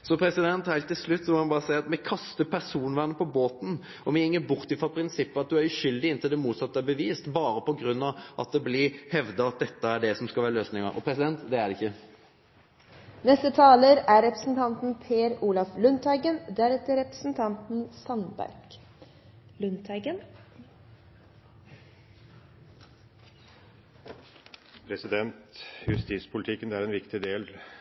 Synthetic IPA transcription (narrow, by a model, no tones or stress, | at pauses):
sɔpʰɾɛsɪd̪ɛnt̪hæɪt̪ːɪlslʉt̪ːsɔmɔhɑnbɑːʁəsæɪɑt̪mɛkʰɑst̪əpʰæʁsuːnʋæʁnəpʰɔboːt̪n̩ | ɔmɛɪŋːəbʊʁt̪ɪfʁɔpʰɾɪnsɪpːəɑt̪̚d̪ʉæɾʉɕʏld̪ɪɪnt̪ɪld̪ɛmuːt̪sɑt̪ːəbəʋiːst̪bɑːɾəpɔɡɾʉnːɑʋʔɑ̰t̪̚d̪ɛblɪhɛʋd̪ɑɑt̪̚d̪ɛt̪ːəæɖɛsɔmskɑʋæːɾəløːsnɪŋə̰ɾɔ̰pʰɾɛsɪd̪ɛnt̪d̪ɛæɖɛɪçːə | nɛst̪ət̪ʰɑːləɾæɾɾɛpɾə̥sn̩t̪ʰɑnt̪n̩pʰeːɾuːlɑflʉnt̪ʰæɪɡənd̪æɾɛt̪əɾɛpɾəsn̩t̪ʰɑnt̪n̩sɑnbæ̰ɾɡ | lʉnt̪ʰæɡən | pʰɾɛsɪd̪ɛnt̪jʉst̪iːspʰʊlɪt̪ʰɪkːənæɾɛnʋɪkt̪ɪd̪eːl